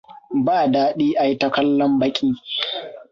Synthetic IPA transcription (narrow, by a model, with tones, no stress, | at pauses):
baː˦˨daː˦ɗiː˦ʔa˨ji˦tɐ˦kɐ˦lːɔ˦mbɐ˦kʲʼiː˦